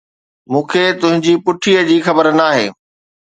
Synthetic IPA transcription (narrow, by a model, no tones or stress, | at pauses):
mũːkʰet̪ʊɦɪ̃ɲd͡ʑiːpʊʈʰiəd͡ʑiːxɐbəɾnaːɦeː